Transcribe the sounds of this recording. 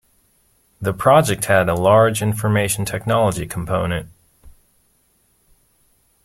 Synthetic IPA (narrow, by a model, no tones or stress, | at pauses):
ðɨpʰɹ̥ɑd͡ʒɨk̚t̚hɨɾəlɑɹd͡ʒɪ̃ɱfə˞meɪʃn̩tʰɛk̚nɑlˠəd͡ʒikʰm̩pʰõʊ̃nɨ̃nt̚